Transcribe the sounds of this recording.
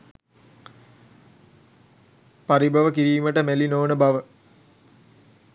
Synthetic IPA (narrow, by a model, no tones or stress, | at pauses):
paɾibʱɐʋəkiɾiːməʈəmelinoːnəbaʋə